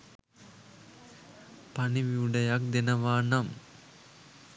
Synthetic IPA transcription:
paniʋiuɖɐjak̚d̪enɐʋaːnɐm

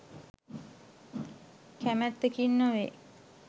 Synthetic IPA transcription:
kʰæmæt̪ːekinːəʋe

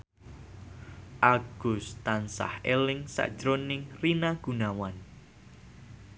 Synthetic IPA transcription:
ʔaɡ̥ʊst̪ansa̰helɪŋsa̰ʔd̥ʒ̥ɾonɪŋrinaɡ̥unawan

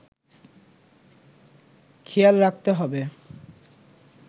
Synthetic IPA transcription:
kʰialɾak̚t̪eɦɔbe

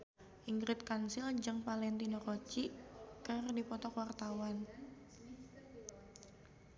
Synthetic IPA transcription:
ʔiŋɡɾɪt̪̚kansɪld͡ʒɨŋpalɛnt̪inoɾot͡ʃikɨrdipɔt̪ɔkwart̪awan

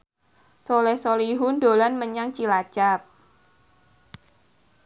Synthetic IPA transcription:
solɛhsoliɦʊndo̤lanməɲaŋt͡ʃilḁt͡ʃap̚

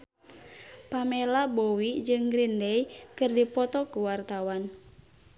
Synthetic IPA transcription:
pamelabowid͡ʒɨŋɡɾindɛjkɨrdipɔt̪ɔkuwart̪awan

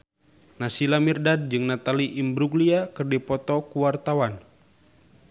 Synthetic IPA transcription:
nasilamirdad̚d͡ʒɨŋnat̪aliʔimbɾuɡliakərdɛpɔt̪ɔkuwart̪awan

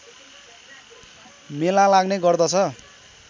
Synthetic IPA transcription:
melalaɡneɡʌrd̪ʌt͡sʰʌ

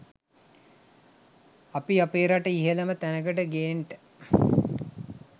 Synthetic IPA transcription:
apiapeːɾaʈəiɦələmət̪ænəkəʈəɡeːɳʈə̥

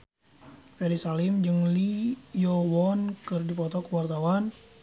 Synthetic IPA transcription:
fɛɾisalɪmd͡ʒɨŋlijɔwɔnkɨrdipɔt̪ɔkəwart̪awan

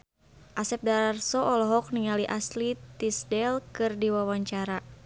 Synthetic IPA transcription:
ʔasɛp̚daɾarsɔʔɔlɔɦɔk̚niŋaliʔaslit̪isdɛlkɨrdiwawaɲt͡ʃaɾa

